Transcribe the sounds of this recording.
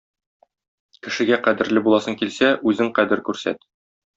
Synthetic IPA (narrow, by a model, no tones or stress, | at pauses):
kɘ̆ʃɘ̆ɡæqæd̪ɘ̆ɾlɘbulˠɑsɤŋkilsæʔʉzɘŋqæd̪ɘɾkʉɾsæ̰t̪